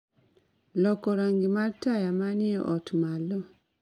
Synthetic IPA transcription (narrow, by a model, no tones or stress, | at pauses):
lɔkɔɾaŋɡimaɾtajamanieʔɔtmalɔ